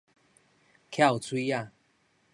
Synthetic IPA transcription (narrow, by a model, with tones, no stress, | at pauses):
kʰja˦˥˨u˨t͡sʰwi˦a˥˨